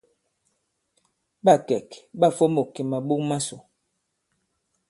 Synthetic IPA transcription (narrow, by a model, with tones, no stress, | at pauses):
ɓa˦˨kɛ˨kɓa˦˨fo˦mo˨ke˨ma˨ɓu˦kma˦so˨